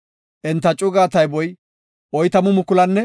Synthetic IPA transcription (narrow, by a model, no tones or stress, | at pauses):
ʔɛnt̪ːɐt͡ʃʼʊɡaːt̪ɐjbɔj | ɔjt̪ɐmʊmʊkːʊlɐnːɛ